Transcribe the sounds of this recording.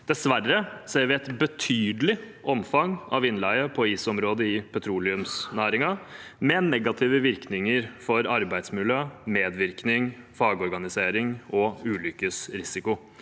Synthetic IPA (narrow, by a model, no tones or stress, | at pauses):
d̪̥ɛsʋærːəseːɾʋɪɛɪt̪bət̪ʰyːd̪əlɪ | ʔɔmfɑŋʔɑ̰ʋɪnlæɪəpʰɔiːsɔmɾoːd̪əɪpʰɛt̪ʰɾuːlɪʉmsnæːɾɪŋɑmɛnɛɡɑt̪ʰɪːʋəʋɪɾknɪŋəɾfɔɾɑɾbæɪd̪smɪljøːmeːd̪ʋɪɾknɪŋfɑːɡəɔɾɡɑnɪseːɾɪŋɔʉːlʏkːəsɾɪsɪkʊ